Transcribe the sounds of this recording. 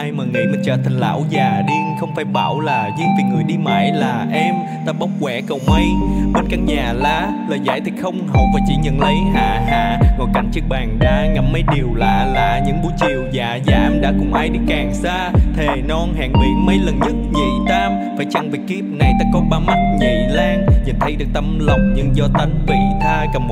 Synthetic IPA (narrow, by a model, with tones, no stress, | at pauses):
ʔaː˧jməː˨˩ŋḭ˧˥mə˨˩ŋt͡ɕə̰ː˧˩t̪ʰa˨˩ŋ̟la̰ː˧˥wzaː˨˩ɗi˧ŋxə˧wŋ͡mfaː˧˦jɓaː˧˩wlaː˨˩ɲɨ˧ŋvi˨˩ŋɨ˨˩əjɗi˧ma̰ː˧˨jlaː˨˩ʔɛ˧m | t̪aː˧ɓa˦˥wk͡p̚kwɛ˧˥kə˨˩wmə˧jɓe˧nkaː˦˥k̚ɲaː˨˩laː˧˥ | ləː˨˩jza̰ː˧˥jt̪ʰi˨˩xə˧wŋ͡mɦə˨˩w̚vaː˨˩t͡ɕḭ˧˥ɲə̰˨˩nlə˧˩jɦa̰ː˧˩˨ɦa̰ː˧˨ŋɔ˨˩jka˧˦nt͡ɕɨ˦˥ək̚ɓaː˨˩ŋɗ̪aː˧ŋa˨˩m̚mə˨˧˦jɗi˨˩əwlaː˨˩la̰ː˨˩ɲɨ̰˧˥ŋɓu˨˧˦t͡ɕi˨˩əwzaː˨˩zaː˧˩ʔɛ˧mɗa̰ː˧˥kʊ̰˧˥ŋ͡mʔaː˧jɗi˧˥kaː˨˩ŋsaː˧t̪ʰe˨˩nɔ˧nha̰ː˧˨ŋɓḭ˧˩˦mə˧jlə˨˩nɲɨ˦˥t̚ɲḭ˧˨˩t̪aː˧m | faː˧˦jt͡ɕa˧ŋvi˨˩ki˦˥əp̚na˨˩jt̪aː˧kɔ˧nɓaː˧ma˦˥t̚ɲə˨˩jlaː˧ŋɲḭ˨˩nt̪ʰə˨˦jɗɨ˨˩ək̚t̪a˧mlə˨˩wŋ͡mɲɨ̰˧˥ŋzɔ˧t̪ə˧jŋ̟vi˧˩t̪ʰaː˧kə˨˩m˨˩